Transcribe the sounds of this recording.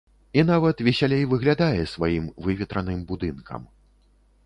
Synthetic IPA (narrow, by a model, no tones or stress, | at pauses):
in̪avɐt̪vʲɛsʲalʲejvɨɣlʲad̪ajɛsvajimvɨvʲɛt̪ɾɐnɨmbud̪ɨnkʰɐ̰m